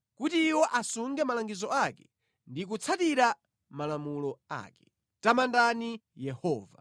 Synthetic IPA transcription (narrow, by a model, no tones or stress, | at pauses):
kutiːwɔʔasuŋɡɛmalaŋɡizɔakɛ̥ | ndik̬ut͡sʰatiɾa | malamulɔa̰ːkɛ̥ | tamandanijɛhɔːva̰